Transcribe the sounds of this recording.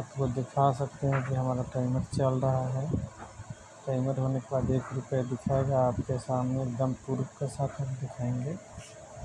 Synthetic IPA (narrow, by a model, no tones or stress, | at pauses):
ap̪kod̪ɪkʰasəkt̪eɦɛ̃kiɦəmaːɾaʈaːɪməɾt͡ʃəlɾəɦaɦɛ | ʈaːɪməɾɦonekebaːd̪eːkɾʊpəed̪ɪkʰaeɡaːpkesaːmneːkd̪əmpuɾbkesaːt̪ʰəkd̪ɪkʰaẽŋɡeː